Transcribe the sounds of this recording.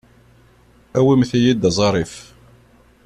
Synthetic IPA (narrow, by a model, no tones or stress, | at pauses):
æwimθijid̪zˤɑɾˤif